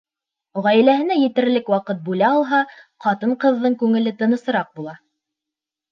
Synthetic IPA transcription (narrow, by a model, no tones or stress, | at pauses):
ʁæjɘ̆læhɘ̆næjɘ̆t̪ɘ̆ɾlɘkwɑqɤt̪̚bulæɑlˠɦɑqɑt̪ɤɴqɤ̆ðːɤɴkʉŋɘ̆lɘt̪ɤ̆nɤ̆sɤ̆ɾɑq̚bulˠɑ